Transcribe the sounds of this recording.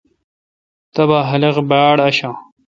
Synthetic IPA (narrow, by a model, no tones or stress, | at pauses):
t̪ɐbaːɦɐlɐʁbaːɽɐɕãː